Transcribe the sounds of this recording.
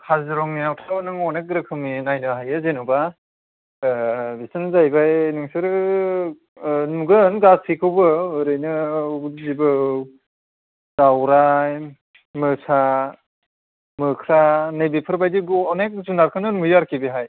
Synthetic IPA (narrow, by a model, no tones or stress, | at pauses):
kʰazɯɾɔŋniawtʰawanɯŋɔnek̚ɡɾɯkʰɯminajnɯɦajɯzenɯwba | bisɯnzajbajnɯŋsɯɾ | nuɡɯnɡasʰikʰɯwbɯɯɾɯjnɯuzibɯ | dawɾaj | mɯsa | mɯkʰɾanɯjbipʰɯɾbajdiɡɔnek̚zunaɾkʰɯnɯnmɯjaɾkʰibeɦaj